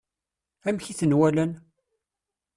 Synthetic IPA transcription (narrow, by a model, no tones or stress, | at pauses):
æmçiθənwælən